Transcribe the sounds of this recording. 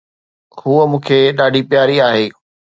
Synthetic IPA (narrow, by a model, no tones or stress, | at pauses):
ɦuəmũːkʰeːɗaːɖʱipjaːɾiaːɦeː